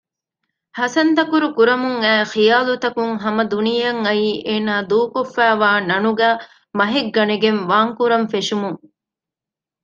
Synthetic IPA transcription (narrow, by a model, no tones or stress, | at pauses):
hɐsɐnt̪ɐkuɾukuɾɐmuŋæːxijaːlut̪ɐkuŋɦɐmɐd̪unijɐŋɐiːʔeːnaːd̪uːkofːæːʋaːnɐnuɡæː | mɐɦeɡːɐneɡenʋaːŋkuɾɐɱfeʃumuŋ